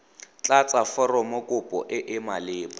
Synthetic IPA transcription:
t͡ɬʼat͡sʼafɔrɔmɔkʼʊpʼɔ̰ʔɪʔɪmalɪːpʼɔ

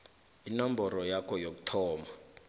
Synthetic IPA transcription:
inambʱɔɾɔjakʰɔjok̬utʰɔːma

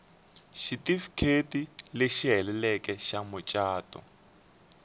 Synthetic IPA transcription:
ʃitifkʰetileʃiɦɛlɛlɛkɛʃamʊt͡ʃʼaːtɔ̰

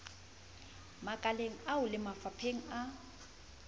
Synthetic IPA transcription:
makʼaleŋ̩aʊlɪmafapʰeŋ̩a

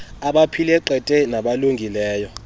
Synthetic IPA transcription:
aɓapʰilɛǃɛtʼɛnaɓaluŋɡʱilɛːjɔ

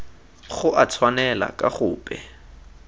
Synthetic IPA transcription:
χʊʔat͡sʰwanɛla̰kʼaχʊːpʼɛ

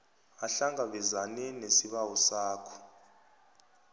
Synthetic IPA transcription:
aɬaŋɡaɓɛzanɛnesiɓawɔsaːkʰɔ̥

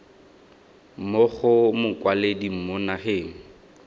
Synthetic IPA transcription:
mok͡xʊmʊkʼwaledim̩monaheːŋ̩

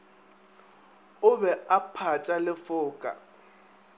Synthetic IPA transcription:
ʊbɛapʰat͡ʃʼalɪfʊːkʼa̰

